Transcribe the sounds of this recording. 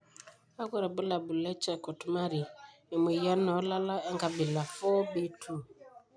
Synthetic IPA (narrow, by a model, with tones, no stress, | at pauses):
a˦ku˦ɾa˨bu˦la˨bu˨lɛ˦t͡ʃɛ˦˨ko˨tu˨˦ma˦ɾiː˨ | m˨i˨ja˦nɔ˨˦la˦la˦a˦ŋɡa˨bi˨la˨fɔ˦be˦tʰu˦˨